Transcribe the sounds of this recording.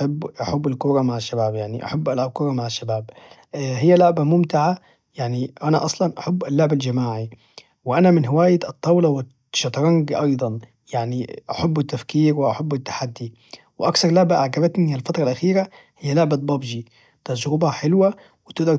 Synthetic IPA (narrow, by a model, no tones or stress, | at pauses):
abːʔaħabːalkʊɾˤɑmaʕaʃːabaːbjaʕniʔa̰ħabːʔalʕab̚kʊɾˤɑmaʕaʃːabaːb | ɦɪjːalʊʕbamʊmt̪ɪʕa | jaʕniʔanaʔɑsˤlɑnʔaħabːʔalːʊʕbald͡ʒamaːʕi | wɪʔanamɪnɦɪwaːjat̪ˤːɑwlɑwɪ | ʃɑt̪ˤɾˤɑŋɡʔɑjd̪ˤɑn | jaʕniʔaħabːɪt̪ːafkiːɾwɪʔaħabːɪt̪ːḁħad̪ːi | wɪʔakθɑɾˤlʊʕbaʔaʕɡaβat̪nialfat̪ɾˤɑlʔaxiːɾa | hɪjːalʊʕbabɑbd͡ʒi | t̪ad͡ʒɾʊbħɪlwa | wɪt̪ɪɡd̪ɑɾ